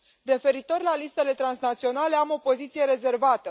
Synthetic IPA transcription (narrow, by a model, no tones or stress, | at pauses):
re̞fe̞ɾit̪o̞rlalist̪e̞le̞t̪ɾansnat̪sio̞nale̞amo̞po̞zit̪sije̞ɾe̞ze̞rvat̪ə